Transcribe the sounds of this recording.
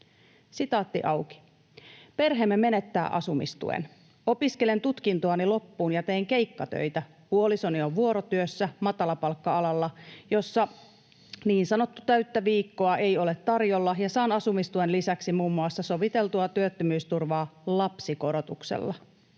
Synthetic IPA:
sit̪ɑːt̪ːiʔɑwki̥ | pe̞rɦemːeme̞ne̞t̪ːæ̰ːʔɑ̰sumḭst̪ṵḛn | o̞piskele̞nt̪ut̪kint̪oɑnilo̞pːuːnjɑt̪e̞iŋke̞jkːɑt̪ø̰jt̪æ | huoliso̞nio̞ʋʋuo̞ɾot̪yøsːæmɑt̪ɑlɑpɑlkːɑɑlɑlːɑjo̞sːɑ | niːnsɑno̞t̪ːut̪æɥt̪ːæʋiːkːoɑʔe̞jo̞le̞t̪ːɑrjo̞lːɑjɑsɑːnɑsumist̪ue̞nlisæksimuːmːuɑsːɑso̞ʋit̪e̞lt̪uɑt̪yøt̪ːømyːst̪urʋɑːlɑpsiko̞ɾo̞t̪uksḛlːɑ

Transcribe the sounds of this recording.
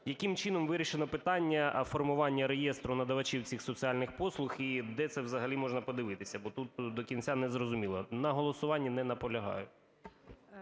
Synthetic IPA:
jɐkimt͡ʃɪnɔmʋɪɾʲiʃenɔpɪt̪ɑnʲːɐfɔrmʊʋɑnʲːɐɾejɛst̪ɾʊnɐd̪ɐʋɐt͡ʃiwt͡sʲixsɔt͡s̪ʲiɑlʲnɪxpɔslˠʊxid̪ɛt̪sɛwzɐɦɐlʲimɔʐnɐpɔd̪ɪʋɪt̪ɪsʲɐbɔt̪ut̪̚d̪ɔkʲint͡sʲanɛzrɔzʊmʲilˠɐnɐɦɔlˠɔsʊʋɑnʲːinɛnɐpɔlʲɐɦɑ̰jʊ

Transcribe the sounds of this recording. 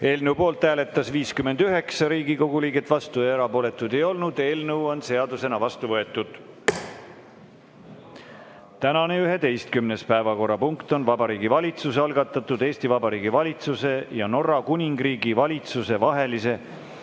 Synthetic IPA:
e̞ːlnəwpo̞ːlt̪hæːle̞t̪ːˑɑsviːskymːe̞nd̪̥yɦe̞ksɑɾiːɡiko̞ɡ̥uliːɡet̪ːˑvɑst̪ueɾɑpo̞ːle̞t̪ːˑud̪e̞jo̞lnud̪̥e̞ːlnəuo̞nse̞ɑd̪use̞nɑvɑst̪uvɤe̞t̪ːˑud̪̥ | t̪ænɑne̞yɦe̞t̪e̞jst̪̚kymne̞spæevɑko̞rːɑpuŋkt̪o̞nvɑbɑɾiːɡivɑlʲit̪suseɑlɡ̥ɑt̪ːˑɑt̪ːˑud̪̥e̞ːst̪ivɑbɑɾiːɡivɑlʲit̪suse̞jɑno̞rɑkunʲiŋɡriːɡivɑlʲit̪suse̞vɑɦe̞lise̞

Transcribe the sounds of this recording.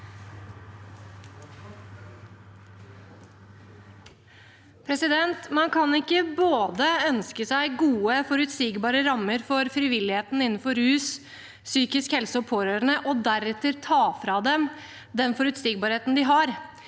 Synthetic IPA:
pʰɾɛsɪd̪ɛnt̪mɑnkʰɑnɪkːəboːd̪əœnskəsæɪɡuːəfɔɾʉt̪siːɡbɑːɾəɾɑmːəɾfɔɾfɾɪʋɪlɪheːt̪n̩ɪnːnfɔɾhʉːs | syːkɪskhɛlsəɔpʰoːɾøːɾəɳəʔɔd̪æɾɛt̪əɾt̪ʰɑːfɾɑd̪ɛm | d̪ɛnfɔɾʉt̪siːɡ̚bɑɾheːt̪n̩d̪ɪɦɑɾ

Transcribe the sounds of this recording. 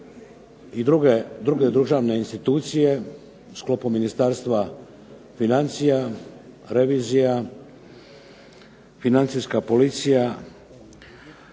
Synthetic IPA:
id̪ɾuɡed̪ɾuɡe̞d̪ɾʒaːʋne̞inst̪it̪uːt̪sije̞ | usklˠo̞puminist̪aːɾst̪ʋa | finant̪sija | ɾe̞ʋiːzija | finant̪siskapo̞lit̪sija

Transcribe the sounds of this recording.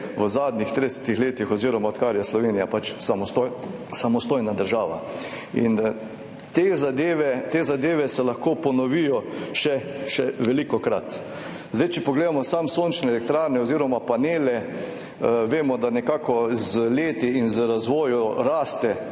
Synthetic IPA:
ʋəzad̪nixt̪ɾid̪ɛsɛ̥t̪ixleːt̪ixɔziːɾɔmaɔt̪kaːɾijaslɔʋeːnijapat͡ʃsamɔst̪osamɔst̪oːjnad̪əɾʒaːʋa̰ | ḭn | t̪eːzad̪eːʋɛt̪eːzad̪eːʋɛsɛlaxkoːpɔnɔʋijɔʃɛʃɛʋɛlikɔkɾat̪ | zd̪ajt͡ʃɛpɔɡleːd̪amɔsamsont͡ʃnɛɛlɛk̚t̪ɾaːɾnɛɔziːɾɔmapaneːlɛ | ʋeːmɔd̪anɛkakɔzleːt̪iinzəɾazʋoːjuɾaːst̪ɛ

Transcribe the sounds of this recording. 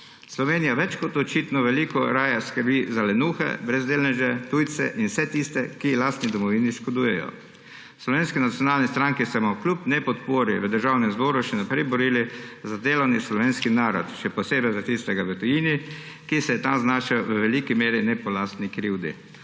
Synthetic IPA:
slɔʋeːnijaʋɛt͡ʃkɔt̪ɔt͡ʃiːt̪nɔʋɛlikɔɾaːjaskəɾbizalɛnuːxɛ̰bɾɛzd̪eːlnɛʒɛt̪ujt̪sɛ̰ʔinsɛt̪ist̪ɛkilast̪nid̪ɔmɔʋiːniʃkod̪uːjɛjɔ̰ | slɔʋeːnskinat̪sjɔnaːlnist̪ɾaŋkisamɔklʲupnɛpɔt̪poːɾiʋəd̪əɾʒaːwnɛmzbɔːɾuʃɛnapɾɛjbɔɾiːlizad̪eːlɔwnislɔʋeːnskinaːɾɔt̪ʃɛpɔseːbɛjzat̪ist̪ɛɡaʋət̪ɔjiːni | kisɛjɛt̪amznaːʃɛwʋəʋɛliːkimeːɾinɛpɔlast̪nikɾiwd̪ḭ

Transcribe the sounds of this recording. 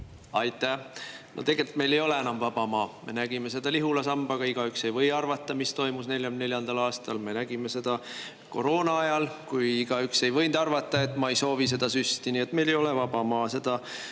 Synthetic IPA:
ɑjt̪ːˑæno̰t̪e̞ɡ̥e̞lʲit̪me̞jle̞jo̞le̞enɑmvɑb̥ɑmɑːme̞̰næɡ̥ime̞se̞d̪̥ɑliɦulɑsɑmb̥ɑɡ̥ɑiɡ̥ɑykse̞jvɤ̞jɑrvɑt̪ːˑɑmist̪o̞jmusne̞lʲjɑmne̞lʲjɑnd̪̥ɑlɑːst̪ɑlme̞næɡ̥ime̞se̞d̪̥ɑ | ko̞̰ɾo̞ːnɑɑjɑlkujiɡ̥ɑykse̞jvɤ̞jnd̪̥ɑrvɑt̪ːˑɑe̞t̪ːˑmɑejso̞ːvis̬e̞d̪̥ɑsyst̪inie̞t̪ːme̞jle̞jo̞levɑb̥ɑmɑːse̞d̪̥ɑ

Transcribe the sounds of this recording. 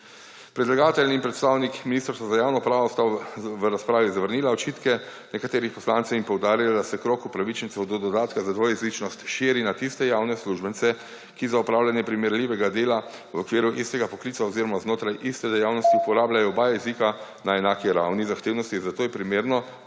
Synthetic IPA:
pɾɛd̪laɡaːt̪ɛlniːmpɾɛt̪st̪awnikminist̪ɾsazajawnɔpɾaːʋɔst̪awʋəɾaspɾaːʋizaʋəɾniːlaɔt͡ʃiːt̪kɛ | nɛkat̪eːɾixpɔslaːnt̪sɛwimpɔwd̪aːɾilad̪asɛkɾoːkupɾaʋit͡ʃnit̪sɛwd̪ɔd̪ɔd̪aːt̪kazad̪ʋojɛzlit͡ʃnɔst̪ʃiːɾinat̪ist̪ɛjawnɛsluʒbənt̪sɛ | kizaupɾaːwlʲanjɛpɾimɛɾlʲiʋɛɡad̪eːla | wokʋiːɾjuʔist̪ɛɡapɔklit̪saoziɾɔmaznoːt̪ɾajʔist̪ɛd̪ɛjawnɔst̪iupɔɾaːbljajɔɔbaːjɛɛzika | naɛnaːkiɾawnizaxt̪eːwnɔst̪izat̪oːjɛpɾimeːɾnɔ

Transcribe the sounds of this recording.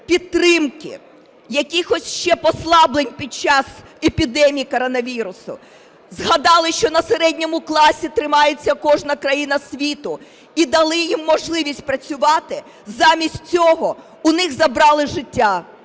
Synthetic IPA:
pʲid̪̚t̪ːɾɪmkɪ̰ | jɐkʲixɔsʲʃt͡ʃɛpɔslˠɑblenʲpʲid̚t͡ʃɑs | epʲid̪ɛmʲijikɔɾɔnɐʋʲiɾʊsʊ̰ | zɦɐd̪ɑlˠɪʃt͡ʃɔnɐseɾɛdʲnʲɔmʊklˠɑsʲit̪ɾɪmɑjet͡sʲːɐkɔʒnɐkɾɐjinɐsʲʋʲit̪ʊ | id̪ɐlˠɪjimːɔʒlˠɪʋʲisʲt̚ʲpɾɐt͡sʲʊʋɑt̪ɪ | zɑmʲisʲtʲt͡sʲɔɦɔ | ʊnɪxzɐbɾɑlˠɪʒɪtʲːa

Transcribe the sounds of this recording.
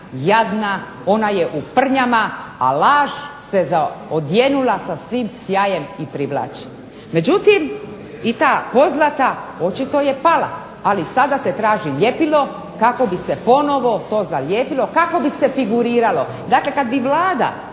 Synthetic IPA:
jaʋna | o̞naje̞ʔupr̩ɲamaa̰laːʒse̞zaod̪jenulasasʋiːmsjaje̞mipɾiʋla̰ːt͡ʃi̥ | me̞d͡ʑut̪im | it̪aːpo̞znat̪ao̞t͡ʃit̪o̞je̞pala̰ | alisad̪aset̪ɾaːʒiʎe̞pilo̞ | kako̞bisepo̞no̞ʋo̞t̪o̞ːzaʎʲeːpilo̞kako̞bise̞fiɡuɾiːɾalo̞ | d̪akle̞kad̪biʋlaːd̪a̰

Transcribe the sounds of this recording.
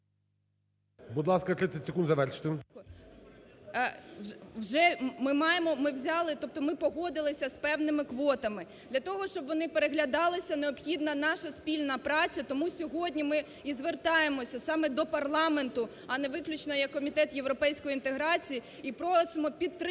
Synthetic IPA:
bud̪lˠɑskɐk̪ɾɪt̪ʲɪtʲsʲekund̪zɐʋɛrʃɪ̥t̪ɪ | wʒɛmɪmɑjemɔmɪwzʲɑlˠɪt̪ɔp̚t̪ɔmɪpɔɦɔd̪ɪlˠɪsʲɐspɛwnɪmɪkʋɔt̪ɐmɪ | d̪lʲɐt̪ɔɦɔʃt͡ʃɔbʋɔnɪpeɾeɦlʲɐd̪ɑlˠɪsʲɐneɔpxʲid̪nɐnɑʃɐspʲilʲnɐpɾɑt͡sʲɐt̪ɔmusʲɔɦɔdʲnʲimɪ | izʋert̪ɑjemɔsʲɐsɑmɛd̪ɔpɐrlˠɑment̪ʊ | ɐnɛʋɪklʲʊt͡ʃnɔjɐkːɔmʲit̪ɛt̪jewɾɔpɛjsʲkɔjint̪eɦɾɑt͡sʲiji | ipɾɔsʊmɔpʲit̪ːɾ

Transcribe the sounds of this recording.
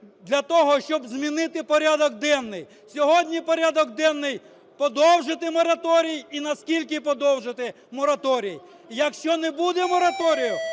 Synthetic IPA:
d̪lʲɐt̪ɔɦɔʃt͡ʃɔbzmʲinɪt̪ɪpɔɾʲad̪ɔkd̪ɛnːɪj | sʲɔɦɔdʲnʲipɔɾʲad̪ɔɡd̪ɛnːɪj | pɔd̪ɔwʒɪt̪ɪmɔɾɐt̪ɔɾʲijinɐskʲilʲkɪpɔd̪ɔwʒɪt̪ɪ | mɔɾɐt̪ɔɾʲij | jɐkʃt͡ʃɔnɛbud̪ɛmɔɾɐt̪ɔɾʲijʊ

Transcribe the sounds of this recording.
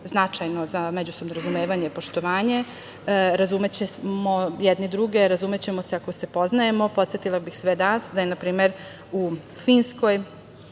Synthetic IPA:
znat͡ʃajno̞zamed͡ʑuso̞bnoɾazumeːʋaɲepo̞ʃt̪o̞ʋaːɲe̞ | ɾazumet͡ɕemo̞jɛd̪nid̪ɾuɡe̞ɾazume̞t͡ɕe̞mo̞seako̞se̞po̞znajemo̞po̞t̪sjet̪ilˠabixsʋed̪asd̪ajenapɾiːme̞ɾ | u | fiːnsko̞j

